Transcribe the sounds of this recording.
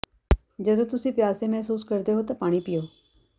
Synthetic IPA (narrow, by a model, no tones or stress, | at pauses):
d͡ʒəd̪õːt̪ʊsĩːpɪjaːseːmɛɦsuːskəɾd̪eːɦoːt̪aːpaːɽ̃iːpɪjoː